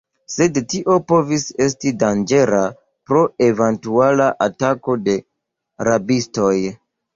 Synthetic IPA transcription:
se̞dtiʔo̞po̞vise̞s̬tidand͡ʒe̞ɾa | pɾo̞e̞ventualaʔatako̞de̞ | ɾabisto̞j

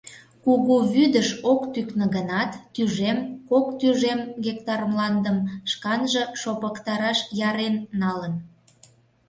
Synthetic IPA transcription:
kuɣuβyd̪əʃokt̪yknə̆ɣənɑt̪ːyʒemkokt̪yʒemɣek̚t̪ɑrmlɑnd̪əmʃkɑnʒə̆ʃopəkt̪ɑɾɑʃjɑɾenːɑlən

